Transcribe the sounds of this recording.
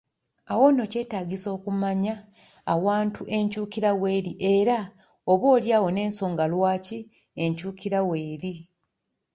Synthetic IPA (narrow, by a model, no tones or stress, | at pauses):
awo̞no̞ce̞ːtaːɡiso̞ːkumaɲaː | waːntʰuʔe̞ɲcuːkiɾawe̞ːɾiʔe̞ɾa | oβo̞ːljaːwo̞ne̞ːnso̞ːŋɡalwaːci | e̞ɲcuːkiɾawe̞ːɾi